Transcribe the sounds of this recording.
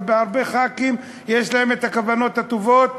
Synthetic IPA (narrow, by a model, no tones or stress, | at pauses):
beaʁbe̞χakim | jeʃlahemet̪akavano̞t̪hat̪ovo̞t̪̚